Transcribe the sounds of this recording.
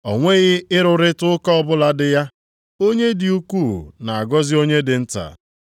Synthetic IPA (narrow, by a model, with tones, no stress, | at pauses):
ɔ˨ŋʷe˦ɣɪ˦ɪ˦ɾʊ˨ɾɪ˦tʊ˦ʊ˦ka˦ɔ˦bʊ˦la˨dɪ˨ja˦ | o˦ɲe˦di˨u˦ku˦˨na˨a˨ɡɔ˦zɪ˦o˦ɲe˦dɪ˨n̩˦ta̰˨